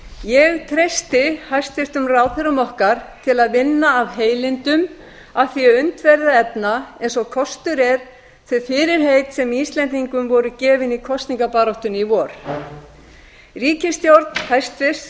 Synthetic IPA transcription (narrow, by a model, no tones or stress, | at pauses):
jɛɣt̪ʰɾejst̪ɪhajst̪fɪst̪ʏmraːwθɪɾʏmɔhkaɾ̥t̪ʰɪlaðvɪnːaːvɦeːjlɪnt̪ʏm | aθiɛʏnt̪vɛɾðaɛpnaɛjnsɔɣkʰɔst̪ʏɾɛɾ̥ | θʏfɪɾɪɾ̥ɦeːjt̪sɛmiːst̪lɛnt̪iŋkʏmvɔɾʏcɛːvɪnikʰɔst̪niŋkapaːɾɔwht̪ʏnivɔːɾ̥ | riːcɪst̪jowɾt̪n̥hajst̪fɪs